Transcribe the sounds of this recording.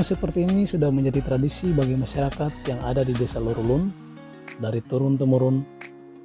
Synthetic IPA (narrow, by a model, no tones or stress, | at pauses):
ŋsəpərt̪iːnisudahməɲd͡ʒadit̪ɾadisibaɡajmaʃaɾakat̪̚jaŋadadidesaloɾulʊn | daɾit̪uɾʊnt̪əmuɾʊn